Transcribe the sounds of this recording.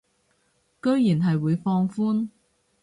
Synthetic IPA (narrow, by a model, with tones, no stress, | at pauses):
kɵ˥ɥjiː˨˩nɦɐ˨jwuː˨˧jfɔː˧ŋfuː˥n